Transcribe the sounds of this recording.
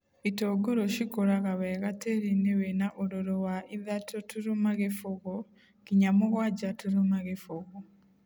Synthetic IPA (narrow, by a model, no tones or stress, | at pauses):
itoɡoɾoʃikoɾaɣaβeɣateɾinewenaʔoɾoɾowaʔiðatʰotuɾumaɣefoɣo | kiɲamoɣwad͡ʒatuɾumaɣefoɣo